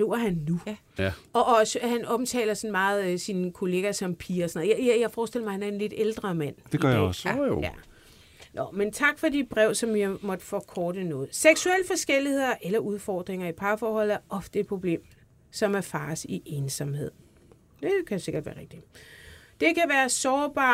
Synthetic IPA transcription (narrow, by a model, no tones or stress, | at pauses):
oɐhænːu | ɒʔɒsəhænɒ̽mt͡sʰɛ̰ːlɐsɒ̽nmɑ̈ːð̞̩ˠsinkʰo̝le̝ːɡ̥æsɒ̽mpʰiːɐɒsɒnɔð̰̩ˠjjjɑ̈ɪfɒːsd̥el̰ɐmɑɪhænæɐenle̝d̥eld̥ʁɐmæn̰d̥eɡɶɐjɒsjæ | nʔɒment͡sʰɑ̈ɡ̥fɒ̽dib̥ʁɛʊ̰sɒ̽mjimɒ̽d̥əfɒkʰɒːd̥ənɔ̽ːð̞̩ˠseɡ̥suel̰əfɒ̽sɡ̥el̰ihe̝ð̰ˠɐʔelɐʔuð̞ˠfɒːd̥ʁeŋɐipʰɑ̈ːfɒːhɒ̽l̰ˠæɐʔɒ̽fd̥əed̥̚pʰʁo̝b̥le̝̰ːm | sɒ̽mæɐfɑ̈ːsiʔe̝ːnsɑmhe̝ð̰ˠ | d̥e̝kʰæse̝ɡ̥ɐd̥ʋæːɐʁeɡ̥d̥i | d̥e̝kʰæʋæːɐsɒːb̥ɑ̰̈